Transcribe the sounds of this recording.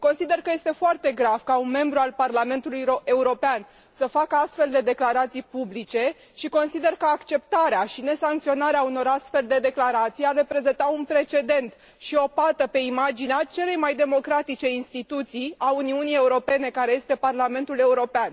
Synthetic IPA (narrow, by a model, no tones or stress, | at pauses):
ko̞nsid̪e̞rkəje̞st̪e̞foart̪e̞ɡɾav̥kaunme̞mbɾualparlame̞nt̪uluje̞uɾo̞pean | səfakəast̪fe̞ld̪e̞d̪e̞klaɾat̪sijpublit͡ʃe̞ | ʃiko̞nsid̪e̞rkəakt͡ʃe̞p̚t̪aɾeaʃine̞saŋk̚t̪sio̞naɾeauno̞ɾast̪fe̞ld̪e̞d̪e̞klaɾat̪sijarːe̞pɾe̞ze̞nt̪aunpɾe̞t͡ʃe̞d̪e̞nt̪ | ʃio̞pat̪əpe̞imad͡ʒineat͡ʃe̞le̞jmajd̪e̞mo̞kɾat̪it͡ʃe̞inst̪it̪ut̪sijauniunije̞uɾo̞pe̞ne̞kaɾe̞je̞st̪e̞parlame̞nt̪ule̞uɾo̞pean